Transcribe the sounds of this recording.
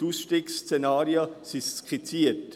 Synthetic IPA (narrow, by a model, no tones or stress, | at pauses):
tuːsʃtiːkst͡senaːɾjəsisskχit͡siːət